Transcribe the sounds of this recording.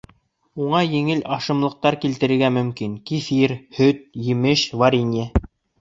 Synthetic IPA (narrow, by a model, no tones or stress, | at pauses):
uɴɑjɘ̆ŋɘlɑʃɤ̆mlˠɤ̆q̚t̪ɑɾkilt̪ɘ̆ɾɘ̆ɾɡæmɵ̆mkinkifiɾhɵt̪̚jɘ̆mɘʃvaɾʲinʲe